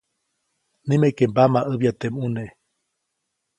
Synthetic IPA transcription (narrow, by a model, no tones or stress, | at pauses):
nĩmekembamaʔɨβjat̪emune